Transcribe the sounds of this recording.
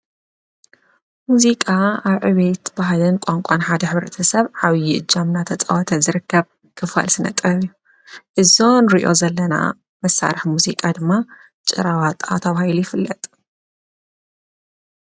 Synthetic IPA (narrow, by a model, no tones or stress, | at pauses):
muzikʼaaβʕɨβet̪baɦlɨnkʷʼaŋkʷʼanħad̪ɐħɨβɾɐt̪ʰɐsɐβʕaβjɪʔɨd͡ʒːamnat̪ʰɐt͡sʼɐ̰wɔt̪ʰɐzɨɾɨkːɐβ | kʰɨfa̰lsɨnɐ̰t̪ʼːɐβjːu | ʔɨzo̞nɾiʔo̞̰zɐlːɐna̰ | mɐsːa̰ɾɨħmuzikʼad̪ɨmːa | t͡ʃʼɨ̰ɾawat̪ʼat̪ʰɐβahilujɪfɨlːɐt̪ʼ